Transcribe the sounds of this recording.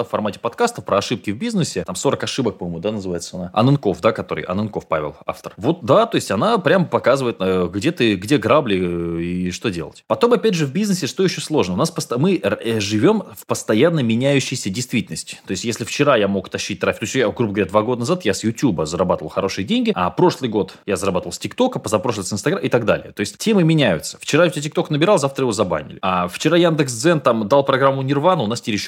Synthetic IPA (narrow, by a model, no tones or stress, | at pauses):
ffɐrmatʲɪ̥pɐt̪kast̪əfpɾəɐʂɨp̚kʲɪvbʲiznɨsʲɪt̪amso̞ɾəkɐʂɨbək̚pɐmmʊd̪anəzɨvajɪt̪səɐnaɐ̰nɨnko̞fd̪akɐt̪o̞ɾɨ̰jʔɐ̰nɨnko̞fpavʲɪ̰lˠa̰ft̪ərvo̞t̪̚d̪at̪o̞ɪsʲtʲɐnapɾʲampɐkazɨvəɪt̪əɡdʲe̞t̪ɨɡdʲe̞ɡɾablʲɪɪʂt̪o̞dʲe̞lˠə̰tʲpɐt̪o̞mɐpʲædʲʐɨvbʲiznɨsʲɪʂt̪o̞jɪɕːoslˠo̞ʐnəʊnaspəst̪əmɨʐɨvʲo̞mfpəst̪ɐjanːəmʲɪnʲæjʉɕːɪjsʲədʲɪjst̪vʲitʲɪlʲnəsʲtʲɪ̥t̪o̞ɪsʲtʲjesʲlʲɪft͡ɕɪɾajamo̞kt̪ɐɕːit̚ʲt̪ɾafʲɪ̥k̪t̪ot͡ɕʲjaɡɾubəɡəvɐɾʲad̪vaɡo̞d̪ənazat̪jasjʊtʲubəzəɾɐbat̪əvəlˠxɐ̰ɾo̞ʂɨjədʲenʲɡʲɪa̰pɾo̞ʂlˠɨjɡo̞t̪jazəɾɐbat̪əvəlˠsʲtʲɪkt̪o̞kəpəzɐpɾoʂlˠəsʲɨnst̪ɐɡaʔɪt̪aɡ̚d̪a̰lʲɪ̰jət̪o̞ɪsʲtʲtʲe̞mɨmʲɪnʲæjʊ̰t̪sə̥ft͡ɕɪɾatʲet̬ʲɪkt̪o̞knəbʲɪɾalˠzaft̪ɾəjɪvozɐba̰nʲɪ̰lʲɪaft͡ɕɪɾajand̪ɨksd̪zɛnt̪amd̪alˠpɾɐɡɾamːʊnʲɪrvanəʊnastʲiɾʲɪɕ